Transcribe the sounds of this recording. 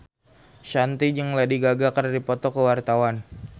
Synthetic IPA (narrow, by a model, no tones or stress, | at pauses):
ʃant̪id͡ʒəŋladiɡaɡakəradipɔt̪ɔkəwart̪awan